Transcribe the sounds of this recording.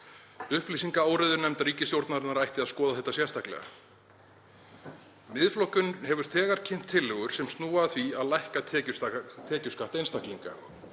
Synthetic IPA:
ʏhplisiŋkaaːwɾɪðʏɾnɛmt̪aɾiːcɪst̪jowɾt̪naɾnaɾajht̪ɪaðskɔːðaθɛht̪ːasjɛɾ̥st̪ahklɛ̰ɣa̰ | mɪðflɔhcʏnhɛvʏɾ̥θɛːɣaɾ̥cʰɪmn̥t̪ʰːɪlːʏɣʏɾ̥sɛmst̪nuːaθviaðlajhkat̪ʰɛːcʏt̪ʰɛːcʏskaht̪ejnst̪ahkliŋka̰

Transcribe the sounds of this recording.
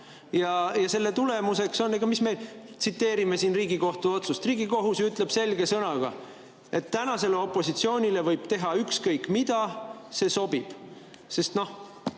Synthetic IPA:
jɑjɑse̞lːe̞t̪ule̞muse̞kso̞nːeɡ̥ɑmisme̞t̪sit̪ːe̞ːɾime̞siːnriːɡiko̞ht̪uo̞t̪sust̪riːɡ̥iko̞ɦusyt̪ˑle̞b̥se̞lɡe̞sɤnɑɡ̥ɑ̰ | ʔe̞t̪ːænɑse̞leo̞pːˑo̞sit̪sio̞ːnʲile̞vɤjb̥t̪e̞ɦɑykskɤjkːˑmid̪̥ɑse̞so̞b̥ib̥ | se̞st̪no̞h

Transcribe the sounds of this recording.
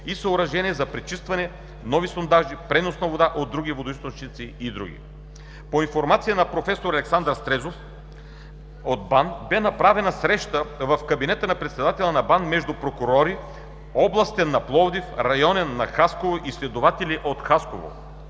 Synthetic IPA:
isɐʊɾɐʒɛniɛzɐpɾit͡ʃist̪vɐnɛ | nɔvisond̪aʒipɾɛnosnɐvod̪aʔod̪ːɾuɡivod̪oʊist̪ot͡ʃnit̪siid̪ɾṵɡʲḭ | poinfoɾmat̪sijənɐpɾofɛsoɾɐlɛksand̪ɾst̪ɾɛzof | od̪̚band̪bɛnɐpɾavɛnɐsɾɛʃt̪əvɐfkɐbinɛt̪ənɐpɾɛt̪sɛd̪at̪ɛlˠɐnɐband̪mɛʒd̪upɾokuɾɔɾi | ɔblˠɐst̪ɛnːɐplˠɔd̪ifɾɐjɔnɛnːɐxaskovoʔislɛd̪ovat̪ɛliʔot̪xaskovo̰

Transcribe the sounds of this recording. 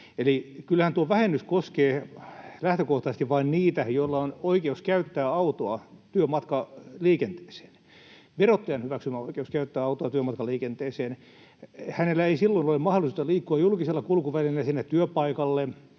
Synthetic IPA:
elikylhænt̪uoʋæhenːyskoskeːlæht̪økoht̪ɑsest̪iʋʋɑinniːt̪æjoilːɑonoikeuskæyt̪ːæːɑut̪oɑt̪yømɑt̪kɑliːkent̪e̥ːse̥ːn | ʋerot̪ːɑjɑnhyʋæksymæoikeuskæyt̪ːæːɑut̪oɑt̪yømɑt̪kɑliːkent̪eːseːn | hænelːæeisilːoinolemɑholˑisut̪ɑliːkːuɑjulkiselːɑkulkuʋælilːæsinːet̪t̪yøpɑikɑlːe

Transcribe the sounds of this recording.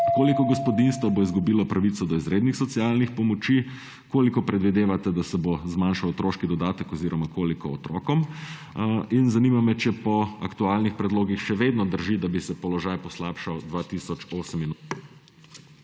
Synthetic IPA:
koːlikɔɡɔspɔd̪inst̪ʋɔboizɡubiːlɔpɾaʋit̪sɔd̪ɔizɾeːd̪nixsɔt̪sialnixpɔmɔt͡ʃi | koːlikɔpɾɛd̪ʋid̪eːʋat̪ɛd̪asɛbozmanʃawɔt̪ɾoʃkid̪ɔd̪aːt̪ɛkɔziɾɔmakoːlikɔɔt̪ɾɔ̰kɔm | inzanimamɛt͡ʃɛpɔakt̪ualnixpɾɛd̪loːɡixʃɛʋed̪nɔd̪əɾʒid̪abisɛpɔlɔʒajpɔslaːpʃawd̪ʋaːt̪isɔt͡ʃoːsəmin

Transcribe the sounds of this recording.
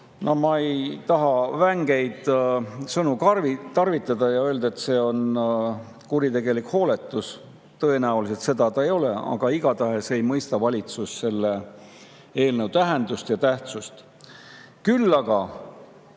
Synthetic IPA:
nomɑejt̪ɑɦɑvæŋɡ̥e̞jd̪̥sɤnukvit̪ɑrvit̪ːˑɑd̪̥ɑjɑø̞ːld̪ɑet̪se̞ːo̞n | kuɾit̪e̞ɡ̥e̞likho̞ːle̞t̪ːˑus | t̪ɤe̞næulis̬e̞t̪se̞d̪ɑt̪ɑejo̞leɑ̰ɡ̥ɑiɡ̥ɑt̪ɑɦe̞sejmɤjst̪ɑvɑlʲit̪susse̞lːe | e̞ːlnəwt̪æɦend̪ust̪jɑt̪æht̪sust̪ | kylːɑɡ̥ɑ

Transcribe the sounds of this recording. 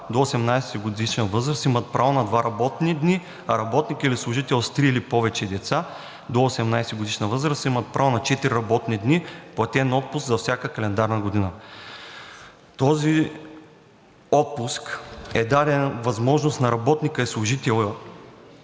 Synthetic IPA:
d̪oːsɛmnajsɛɡod̪iʃnəvɤzɾəsimət̪̚pɾavonɐd̪vaɾɐbɔt̪nid̪ni | ɐɾɐbɔt̪nikilislˠʊʒit̪ɛlˠst̪ɾiːlipɔvɛt͡ʃɛd̪ɛt̪sa | d̪oːsɛmnajsɛɡod̪iʃnəvɤzɾəsimət̪̚pɾʔavonɐt͡ʃɛt̪iɾʲiɾɐbɔt̪nid̪nipoɐt̪ʲɛnɔt̪̚pʊsɡzɐfsʲakəkɐlɛnd̪aɾnəɡod̪inə | t̪ɔzi | ɔt̪̚puskɛd̪ad̪ɛnvɐzmɔʒnost̪nɐɾɐbɔt̪nikəɛslˠʊʒit̪ɛlˠə

